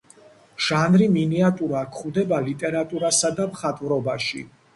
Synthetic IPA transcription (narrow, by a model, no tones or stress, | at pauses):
ʒ̥anɾiminiat̪ʼuɾakʰχud̪ɛbalit̪ʼɛɾat̪ʼuɾasad̪amχat̪ʼvɾɔbaʃḭ